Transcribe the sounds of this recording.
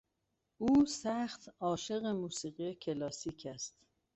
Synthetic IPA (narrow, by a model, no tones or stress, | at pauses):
uːsæxt̪ɒːʃe̞ɣemuːsiːɣijecʰelɒːsiːcʰæst̪